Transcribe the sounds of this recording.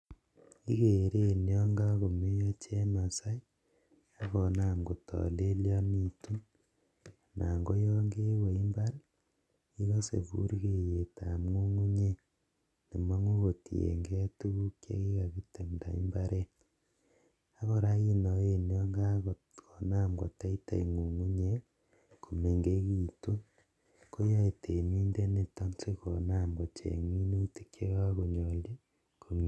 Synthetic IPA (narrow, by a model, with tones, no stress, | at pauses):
i˦ke˨ɾe˦˨njɔ˦ŋɡa˦ko˨me˦jɔ˦t͡ʃe˦ma˨sa˦j | a˦kɔ˨na˦˨mɡo˨tɔ̰˨le˦ljɔ˦ni˨tu˦n | nʔa˨ŋɡo˦jɔ˦ŋɡe˦we˨i˦mba˦ɾ | i˦ɣo˦sḛ˨pṵ˦ɾi˦ke˨je˨ta˨mŋu˦ŋu˦ɲe˦ | ne˨ma˦ŋo˦ɣo˨ti˨ḛ˨ŋɡe˦tu˦ɣu˦kḛ˦ɣi˦ɣa˨βi˦temda̰˨ḭ˦mbaɾe˦ | a˦ɣoɾa˦i˦noenio˦ŋɡaɣ | kona˦mɡo̰˨ta˦i˦ta̰˨i˨ŋu˨ŋu˦ɲe˦ | ko˨me˨ŋɡeɣitu˦ | ko˦ja˦e˨te˨niː˦nde˦ne˨ta˦mse˦ɣonamɡo˨t͡ʃḛŋwi˦ne˦tikʰe˦ɣaɣo˨ɲoli˦ | komi˨